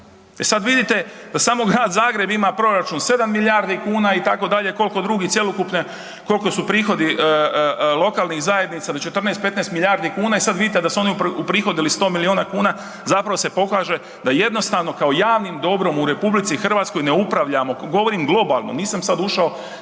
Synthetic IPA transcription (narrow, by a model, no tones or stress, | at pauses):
esad̪ʋid̪it̪e̞d̪asaːmo̞ɡɾaːd̪zaːɡɾe̞bimapɾo̞ɾat͡ʃunse̞d̪amːiljaːɾd̪ikuːnait̪ako̞d̪aʎe̞ko̞lko̞d̪ɾuɡit̪je̞lˠokupne | ko̞lko̞supɾiːxo̞d̪i | lˠo̞kaːlˠnixzaje̞d̪nit̪sad̪ot͡ʃe̞t̪r̩nest̪̚pe̞t̪neːst̪milʎʲjaːɾd̪ikuːnaisad̪ʋid̪it̪ed̪asuo̞niupɾiːxo̞d̪ilist̪o̞ːmilioːnakuːna | zapɾaʋo̞se̞po̞kaːʒe̞ | d̪aje̞d̪no̞st̪aʋno̞kao̞jaːʋnimd̪o̞bɾo̞muɾe̞publit̪sixr̩ʋaːt̪sko̞jneupɾaʋʎamo̞ɡo̞ʋo̞ɾimɡlˠo̞balˠno̞̰niːsamsad̪uʃao̞